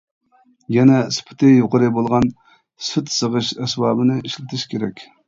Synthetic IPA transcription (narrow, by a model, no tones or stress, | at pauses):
jɛnɛsɨ̥pʰɨ̥t̪ʰɨjoqəɾɨbolˠʁɑn | syt̪səʁɨʃɛsbɑːbɨnɨʔiʃlɪt̪ʰɪʃkʲeɾɛkʲ